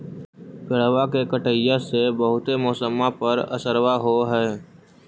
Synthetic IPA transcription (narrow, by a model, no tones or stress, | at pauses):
ɡəɽwakekəʈəjːasebəɦʊt̪emɔːsəmapəɾə̰səɾwaɦoɦɛː